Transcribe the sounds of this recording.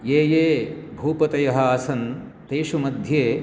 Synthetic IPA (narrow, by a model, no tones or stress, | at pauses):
jeːjeːbʱuːpɐt̪ɐjɐɦɐ̆aːsɐnt̪eːʃumɐd̪ʱjeː